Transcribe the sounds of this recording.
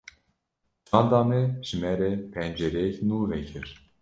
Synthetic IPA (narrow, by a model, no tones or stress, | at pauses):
d͡ʒɑːnd̪ɑːmɛʒ̥ɨmɛɾɛpʰɛnd͡ʒɛɾɛɛknuːvɛkʰɨɾ